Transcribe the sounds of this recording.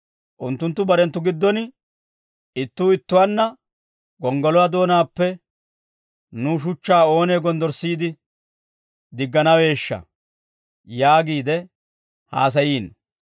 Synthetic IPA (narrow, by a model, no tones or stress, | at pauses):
ʔʊnt̪ːʊnt̪ːʊbɐɾɛnt̪ːʊɡɪd̪ːɔnɪ | ɪt̪ːuːɪt̪ːʊwanːɐ | ɡɔŋɡɔlɔwad̪o̞ːnaːpːɛ | nuʃ̬ʊt͡ʃːaːo̞ːneːɡɔnd̪ɔɾsiːd̪ɪ | d̪ɪɡːɐnɐwe̞ːʃːɐ̰ | jaːɡiːd̪ɛ | ha̰ːs̬ɐjiːn